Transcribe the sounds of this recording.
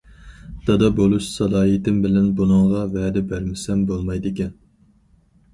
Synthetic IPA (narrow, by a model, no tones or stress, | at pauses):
d̪̥ɑd̪ɑbolˠuʃsɑlɑːɦit̪ɪmbɪlɛnbunɨŋʁɑvɛːd̪ɪbæɾmɪsɛmbolˠmɑjd̪ɪkʲɛn